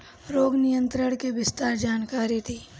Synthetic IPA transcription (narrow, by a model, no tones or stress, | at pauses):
ɾoːɡnɪjə̃nt̪ɾəɽ̃keʋɪst̪aːɾd͡ʒaːnkaːɾit̪ʰiː